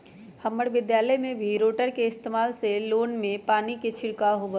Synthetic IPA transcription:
hɐməɽʋɪd̪jaːləjmẽbʱiɾoːʈəɾkeɪst̪eːmaːlseloːnmẽpaːniket͡ʃʰɪɽkaɦobə

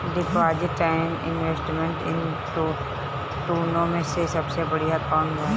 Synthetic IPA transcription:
d̪ɪkʰoaːd͡ʒʈaɪnɪ̰nʋesʈmẽɳʈɪ̃n | t̪o | ʈ̪uːnõmẽsesɐbsebɐɽijakɔːnɦa

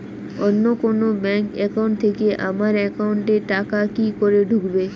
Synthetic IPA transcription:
onːokonobɛŋkɛkauɳʈt̪ʰekeʔamaɾɛkauɳʈeʈakakikoɾeɖʱukbe

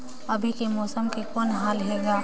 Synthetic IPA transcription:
ɐbʱikemɔːsəmkekɔːnɦaːlɦeːɡaː

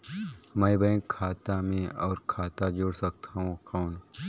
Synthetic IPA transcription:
məjbə̃ɪ̃kʰaːt̪amẽɔːɾkʰaːt̪ad͡ʒoːɽsɐk̚t̪ʰaɦũkɔːn

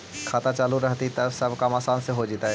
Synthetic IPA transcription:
kʰaːt̪at͡ʃaːluɾəɦt̪it̪ɐɾsɐbʱkamaːsaːnseɦod͡ʒiːt̪aɦɛ

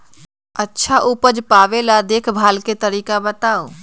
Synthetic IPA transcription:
ətːʃʰaʔupəd͡ʒpaʋelad̪ekʰbʱaːlket̪əɾiːkabət̪ao

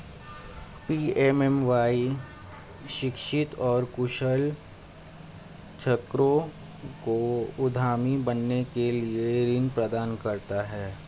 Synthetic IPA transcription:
piːɛmɛmʋaːi | ʃɪkʃɪt̪ɔːɾkʊʃəl | t͡ʃʰɐkɾõ | koʊd̪ʱaːmibɐnːekelieɾɪnpɾɐd̪aːnkɐɾt̪aɦɛː

